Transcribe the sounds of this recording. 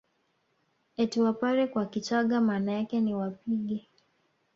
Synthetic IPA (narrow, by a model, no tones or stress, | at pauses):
ɛtiwapaɾɛkwakit͡ʃaɠamaːnajakɛniwapiɠɛ